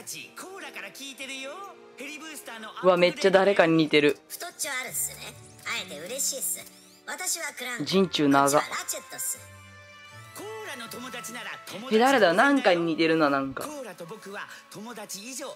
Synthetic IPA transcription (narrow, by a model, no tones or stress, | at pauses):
t͡ɕikʰoːɾakaɾakʲiːt̪eɾɯjo | eɾʲibɯst̪anokɯβame̞t͡ɕːad̪aɾe̞kaɲ̟iɲ̟it̪e̞ɾɯ̟ɸɯ̥t̪ot͡ɕiaɾɯesɨne | aet̪eɯ̟ɾe̞ɕiːsɨ | βat̪aɕiβakɯ̟ɾãd͡ʑĩɲ̟t͡ɕɨːnaɡabat͡ɕet̪ːosɨɾɯ | koɾanot̪omod̪at͡ɕinaɾat̪ohed̪aɾed̪aanãŋkaɲ̟iɲ̟ʲit̪e̞ɾɯ̟nanãŋka̰ɾat̪obokɯ̟βat̪ʰomod̪at͡ɕiːʑoː